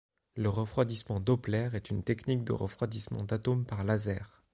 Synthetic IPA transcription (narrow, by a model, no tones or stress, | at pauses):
ləʁəfχwad̪ismɑ̃d̪ɔplɛʁɛt̪ynt̪ɛknikd̪ə̰ʁə̰fχwad̪ismɑ̰̃d̪at̪ompaʁlazɛːʁ